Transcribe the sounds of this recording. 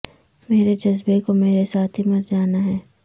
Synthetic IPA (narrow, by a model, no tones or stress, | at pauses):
meːɾed͡ʒɐzbekomeːɾesaːt̪ʰɦimɐɾd͡ʒaːnaɦɛː